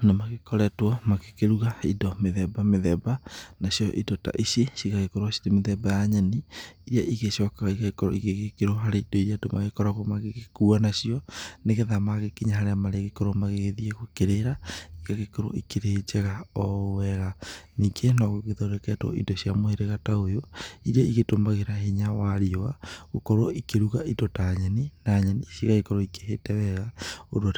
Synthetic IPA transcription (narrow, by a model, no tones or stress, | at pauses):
nemaɣekɔɾɛtwɔmaɣekeɾuɣaidɔmeðɛbameðɛbanaɕiɔʔidɔta̰ʔisjeʃiɣaɣekoɾwasidemeðɛbajaɲɛniiɾiaʔiɣeʃɔkaɣiɣaɣekɔɾo̰iɣeɣekeɾoɦaɾeidoiɾiadomʔa̰ɣekɔɾaɣɔmaɣeɣekuanaʃiɔneɣeðamaɣekiɲaɦaɾeamaɾeaɣekoɾomaɣeɣeðieɣokeɾeɾaiɣaɣekɔɾo̰ʔikeɾet͡ʃɛɣaɔwɛɣanikʰenɔɣoɣeðoɾekɛtɔ̰ʔḭdɔɕiamoheɾeɣataojoiɾɛiɣetomaɣeɾaɦeɲawaɾiɔaɣokɔɾoʔikeɾuɣaʔitɔtaɲɛninaɲanisiɣaɣekɔɾɔikeɦetɛwɛɣao̰ɾwat